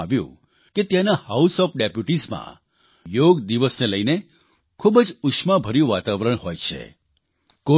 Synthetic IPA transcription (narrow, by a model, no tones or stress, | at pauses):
ʋjṵ̃ | ket̪janahausɔfɖepjuʈizmã̰ | joɡd̪iʋəsneləjne | kʰubd͡ʒukʃmãbʱəɾjũʋat̪aʋɾəɳɦojt͡ʃʰḛ | ko